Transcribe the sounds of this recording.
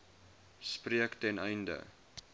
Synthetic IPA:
spriəktɛnɛjndə̰

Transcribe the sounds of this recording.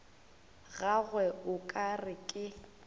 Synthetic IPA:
ɣaɣwɛʊkʼarɪkʼɪ

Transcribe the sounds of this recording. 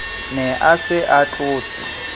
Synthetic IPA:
nɛʔasɪʔat͡ɬʼʊːt͡sʼɪ̰

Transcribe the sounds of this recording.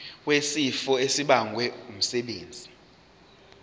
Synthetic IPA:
wesifɔesiɓaŋʱwɛum̩sɛɓeːnd͡zʱi

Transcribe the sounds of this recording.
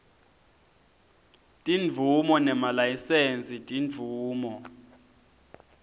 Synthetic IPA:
tʼinvʱumɔnɛmalajisent͡sʼitʼinvʱuːmɔ

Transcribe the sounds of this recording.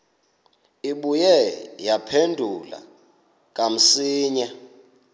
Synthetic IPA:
iɓujɛjapʰendʱula̰ | k̬ʼam̩siːɲa

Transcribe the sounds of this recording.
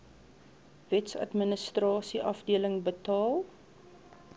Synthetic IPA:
vɛtsɐ̰tmənəstrɑːsiʔɐfdiələŋbətɑːlˠ

